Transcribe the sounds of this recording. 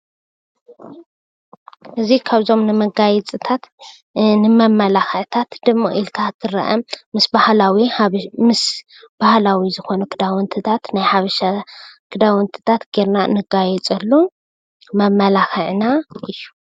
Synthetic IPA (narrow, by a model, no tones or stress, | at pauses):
ʔɨzikʰaβzo̞mnɨmɐɡajɛt͡sʼɨt̪ʰat̪ | nɨmɐmːɐlaxɨʕt̪ʰat̪d̪ɨmːo̰ʔilkʰat̪ʰːɨɾɐ̰ʔɐmːɨsbahlawimɨs | b̥ahlawizɨxo̞nɐkʰɨd̪awɔnt̪ʰɨt̪ʰat̪najħaβɐʃakʰɨd̪awɔnt̪ʰɨ̥t̪ʰat̪ɡ̥eɾnanɨɡajɛt͡sʼɐlːu | mɐmːɐlaxɨʕnaʔɨjːu̥